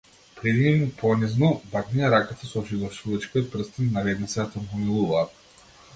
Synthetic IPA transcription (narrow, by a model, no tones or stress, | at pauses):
pɾɛd̪inimupʰɔniznɔbak̪niaɾakat̪asɔɔʃid̪ˠɔʃuvat͡ʃkʲiot̪̚pr̩st̪innavɛd̪nit̪sɛt̪ampɔmilˠuvaːt̪